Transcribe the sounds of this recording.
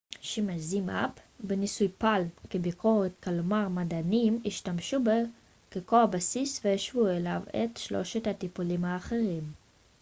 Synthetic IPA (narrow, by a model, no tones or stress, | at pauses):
ʃimazimʔa̰pbenisujpalkebikʰo̞ʁet̪kalmaʁmadanimiʃtamʃube | kekoabasisvejaʃvuelavḛtʃlo̞̰ʃet̪hat̪ipulimhaːχe̞ʁim